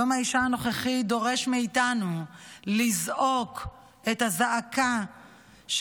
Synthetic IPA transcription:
omhaiʃaano̞χeχid̪o̞ʁe̞ʃmeitanulizo̞k | ethazaʔːka | ʃ

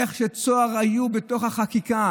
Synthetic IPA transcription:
eχʃet͡soaʁajubeto̞χhaχakika

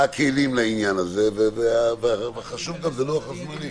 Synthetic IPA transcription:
akʰelimlainjanazɛveveavvχaʃuvɡamzɛloaχaʃmali

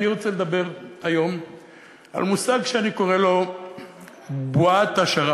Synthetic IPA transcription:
niʁo̞t͡seled̪abe̞ʁajo̞m | a̰lmusaɡʃeaniko̞ʁe̞lo̞ | buat̪aʃaʁa

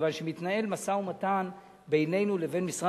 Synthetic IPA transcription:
vanʃemit̪nae̞lmasaumatan | be̞jne̞jnuleve̞nmisʁa

